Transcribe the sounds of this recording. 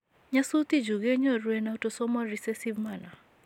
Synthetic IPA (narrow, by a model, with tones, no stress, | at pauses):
ɲa˦su˦t̪i˦d͡ʒu˨ɡɛ˦ɲɔ˦ɾwɛ˨na˨u˦tɔ˨sɔ˦mɔ˦ɾi˨sɛ˦si˦vma˨na˨